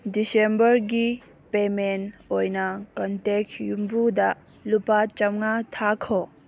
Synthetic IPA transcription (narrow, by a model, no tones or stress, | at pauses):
disembɐɾɡi | pemenojnɐkɐntekjumbudɐ | lupat͡ʃɐmŋatʰakʰo